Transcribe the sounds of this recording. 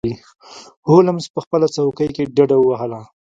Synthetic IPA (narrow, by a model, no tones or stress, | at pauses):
i | holamspəxpəlat͡sawkəjkeɖaɖawəwaɦəla